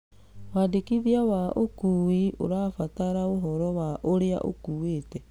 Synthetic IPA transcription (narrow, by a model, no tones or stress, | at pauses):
wadekiðiawaʔokuiʔo̰ɾaːfataɾaoɦɔɾɔwaʔoɾea̰ʔo̰kuːwetɛ